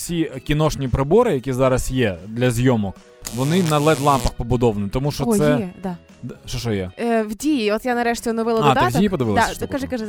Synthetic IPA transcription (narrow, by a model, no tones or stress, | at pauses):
sʲikʲinɔʃnʲipɾɪbɔɾɪjɐkʲizɑɾɐsjɛd̪lʲɐzʲjɔmɔk | ʋɔnɪnɐlˠɛd̪lˠɑmpɐxpɔbʊd̪ɔʋɐnit̪ɔmuʃt͡ʃɔt̪sɛd̪a | ʃt͡ʃɔʃɔjɛwdʲijiɔt̪janɐɾɛʃtʲɪnɔʋɪlˠɐɐtd̪ɑtd̪ijipɔd̪ɪʋɪlˠsskkɐʒɪkɐʒɪ